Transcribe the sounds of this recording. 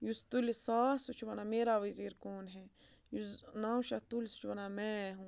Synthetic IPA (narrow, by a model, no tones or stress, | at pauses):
just̪ulisaːsut͡ʃʰʋɐnameːɾaβiziɾkoːnɦɛ | jusnaũʃat̪ulʲsu̥t͡ʃʰwɐnamɛ̃ɦũ